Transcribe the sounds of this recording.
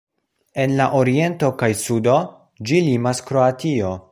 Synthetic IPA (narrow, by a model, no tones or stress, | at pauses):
e̞nlaʔoɾie̞nto̞kajsudo̞ | d͡ʒilimaskɾo̞atio̞